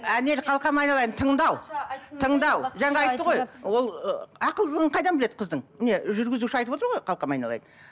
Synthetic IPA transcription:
æne̞lqʰɑlˠqɑmɑjnɑlˠɑj̪ənt̪ʰəɴd̪ɑwtt̪ʰəɴd̪ɑwʒɑɴɑɑjt̪ːəʁo̞jwo̞lˠɑqəlˠd̪əʁəɴqʰɑjd̪ɑmbɪled̪əqʰəzd̪əɴmɪne̞ʒʏɾɡʲɪzuʃɪɑjt̪əpwo̞t̪əɾʁojqʰɑlˠqɑmɑjnɑ̰lˠɑ̰jd̪ən

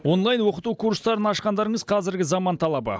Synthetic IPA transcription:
wo̞nlˠɑjnwo̞qət̪ukʰuɾst̪ɑɾənɑʃqɑnd̪ɑɾəɴəzqʰɑzɪɾɡʲɪzɑmɑnt̪ʰɑlˠɑbə̰

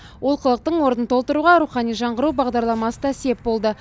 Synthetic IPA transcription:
wʔo̞lˠqʰəlˠəq̚t̪əɴwo̞ɾənənt̪ʰo̞lˠt̪əɾuʁɑɾuχɑnijʒɑɴʁəɾubɑʁd̪ɑɾlˠɑmɑsəd̪ɑse̞p̚bo̞lˠd̪ə

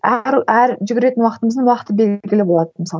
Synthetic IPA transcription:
æɾæɾʒʏɡʲɪɾe̞t̪ɪnwɑqət̪əməzd̪əɴwɑqət̪əbe̞lɡʲɪlɪbo̞lˠɑdd̪əmɪsɑlˠ

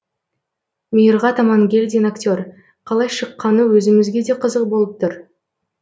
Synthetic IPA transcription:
mijəɾʁɑt̪ɑmɑŋɡʲe̞lʲd̪ʲenaktʲo̞r | qʰɑlˠɑjʃəqːɑnəwɵzɪmɪzɡʲe̞d̪e̞qʰəzəq̚bo̞lˠəp̚t̪ʰʊɾ

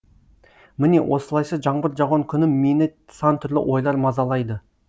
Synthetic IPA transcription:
mɪne̞wʔo̞səlˠɑjsɑʒɑɴbəɾʒɑʁoŋkʲʰʏnɪmmenɪsɑnt̪ʰʏɾlɪ̰ʔo̞jlˠɑɾmɑzɑlˠɑjd̪ə

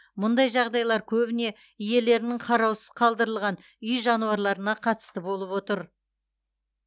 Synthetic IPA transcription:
mʊnd̪ɑjʒɑʁd̪ɑjlˠɑɾkʲʰɵbɪne̞ | ije̞le̞ɾɪnɪŋqʰɑɾɑwsəz̥qʰɑlˠd̪əɾəlˠʁɑn | ʏjʒɑnuɑɾlˠɑɾənɑqʰɑt̪ə̥st̪əbo̞lˠəpwo̞t̪əɾ

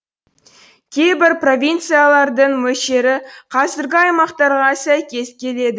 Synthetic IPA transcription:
kʲʰe̞jbɪɾpro̞vʲint̪sɨjalˠɑɾd̪əɴmɵʃe̞ɾɪqʰɑzɪɾɡʲɪɑjmɑqt̪ɑɾʁɑsæjkʲe̞zkʲʰe̞le̞d̪ɪ

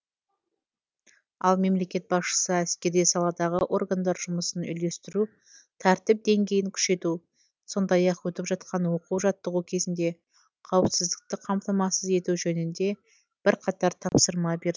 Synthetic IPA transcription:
ɑ̰lˠme̞mle̞kʲe̞t̪̚bɑsʃə̥səæskʲe̞ɾijsɑlˠɑd̪ɑʁəʔo̞rɡand̪ɑɾʒʊməsənʏ̰jle̞st̪ɪɾu | t̪ʰæɾt̪ɪp̚d̪e̞ŋɡʲe̞jɪŋkʲʰʏ̥ʃe̞t̪u | so̞nd̪ɑjɑqwɵt̪ɪpʒɑt̪̚qʰɑnwo̞quwʒɑt̪ːəʁukʲʰe̞zɪnd̪e̞ | qʰɑwəpsɪzd̪ɪk̚t̪ɪqʰɑmt̪ɑmɑsəze̞t̪uʒɵnɪnd̪e̞ | b̥ɪɾqʰɑt̪ɑɾt̪ʰɑpsəɾmɑbe̞ɾɪ

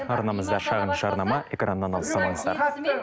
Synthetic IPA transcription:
ɑɾnɑməzd̪ɑʃɑʁənʒ̥ɑɾnɑmɑʔe̞kranːɑnɑlˠəsɑlˠɑɴəzd̪ɑ̰ɾ

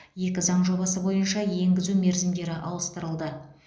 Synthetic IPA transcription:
je̞kʲɪzɑɴʒo̞bɑsəbo̞jənʃɑje̞ŋɡʲɪzume̞ɾzɪmd̪e̞ɾɪʔɑwˠəst̪əɾəlˠd̪ə

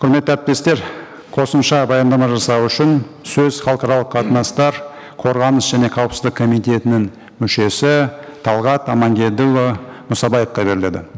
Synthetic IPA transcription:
qʰʊɾmet̪ːɪæɾp̚t̪e̞st̪e̞ɾ | qʰo̞səmʃɑbɑjɑnd̪ɑmɑʒɑsɑwʏʃɪn | sɵzχɑlˠqɑɾɑlˠəqːʰɑt̪ənɑst̪ɑɾ | qʰo̞ɾʁɑnəsʒ̥æne̞qʰɑwəpsəzd̪ɪkʰːo̞mijt̪e̞t̪ɪnɪŋ | mʏʃe̞sɪt̪ʰɑlˠʁɑt̪ɑmɑŋɡʲe̞d̪ɪlomʊsɑbɑjefqɑbe̞ɾɪle̞d̪ɪ

